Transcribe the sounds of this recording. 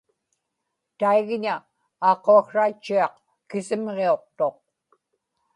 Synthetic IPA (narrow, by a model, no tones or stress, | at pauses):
t̪aiɣɲa | ɑːqoaxʂat͡ʃːuɑq | kɪsɪmʁeo̞q̚t̪o̞q̚